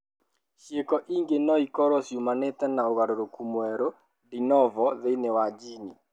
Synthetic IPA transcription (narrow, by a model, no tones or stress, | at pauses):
ʃjekɔʔiŋɡenɔikɔɾɔsjumanɛt̪ɛnaoɣaɾoɾokumwɛɾo | dinɔvɔðenɛwad͡ʒini